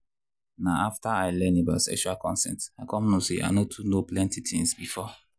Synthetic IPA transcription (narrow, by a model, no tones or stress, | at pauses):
naaftaaɪlɛnibaʊsɛ̰kʃualkɔ̃nsɛ̰̃ntakʰɔ̃mnosea̰ɪnotʰunoplɛ̃ntitʰĩŋsbifɔ